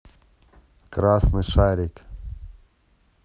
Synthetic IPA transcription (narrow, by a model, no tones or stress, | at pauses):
kɾasnɨʂaɾʲɪk